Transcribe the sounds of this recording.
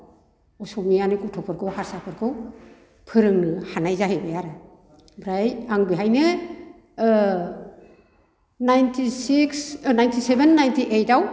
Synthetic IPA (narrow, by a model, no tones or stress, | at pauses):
ɔsɔmianikutʰɔpʰɯɾkʰɯwhaɾsapʰɯɾkʰɯw | pʰɯɾɯŋnɯhanajzaɦebajaɾɯ | bɾajaŋbiɦajnɯ | najntʰisiksnajntʰisebenːajntʰiʔejtaw